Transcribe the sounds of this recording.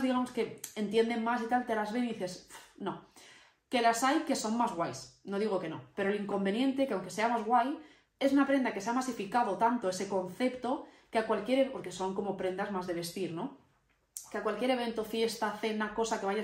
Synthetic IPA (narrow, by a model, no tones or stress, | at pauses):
ðiɣamo̞ske̞ent̪je̞nd̪e̞ŋmasit̪alt̪eɾazβenðiθe̞sno̞ | ke̞lasajke̞so̞ŋmazɣwajsno̞ðiɣ̞o̞keno̞pe̞ɾoliŋko̞mbe̞njẽ̞nt̪ekeawŋke̞se̞amazɣwaj | e̞sunapɾend̪akeeamasifikað̞o̞t̪ant̪oe̞se̞ko̞nθe̞pt̪o̞ | keakwalkje̞ɾepo̞ɾke̞so̞ŋko̞mopɾend̪azmazðe̞β̞e̞st̪iɾno̞ | keakwalkjeɾe̞βe̞nt̪o̞fje̞st̪aθenako̞sake̞βaja